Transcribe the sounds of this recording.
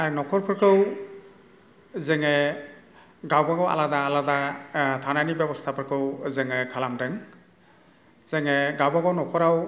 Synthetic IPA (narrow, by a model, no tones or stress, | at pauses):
aɾinɔkʰɔɾpʰɯɾkʰɯw | zɛŋe | ɡawbaɡɔwa̰ladaːladatʰananibjɔbɔstʰapʰɯɾkʰɯwzɛŋekʰalamdɛŋ | z̥ɛŋeɡawbaɡɔwnɔkʰɔɾaw